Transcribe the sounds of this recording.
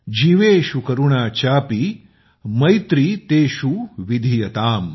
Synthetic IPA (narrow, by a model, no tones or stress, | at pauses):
d͡ʒiʋeːʃukɐɾuɳaːt͡ʃaːpi | mɐjt̪ɾit̪eːʃuʋid̪ʱijɐt̪aːm